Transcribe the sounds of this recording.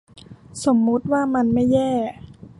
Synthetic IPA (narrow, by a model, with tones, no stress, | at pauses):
so˩˦mːu˦˥t̪̚waː˥˩ma˧nma˥˩jːɛː˥˩